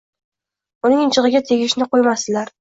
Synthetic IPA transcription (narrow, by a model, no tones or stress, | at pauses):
ʊnɪŋɪt͡ʃʰɨʁɨɡʲat̪ʰe̞ɡʲɪʃnɪqʰojmast̪ɪlaɾ